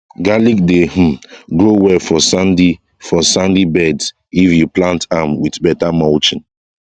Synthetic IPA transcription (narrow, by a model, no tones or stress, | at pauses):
ɡalik̚deh̩ɡɹowɛfɔsandi | fɔsãndibɛds | ifjuplãntamwiθbɛtamaʊt͡ʃĩn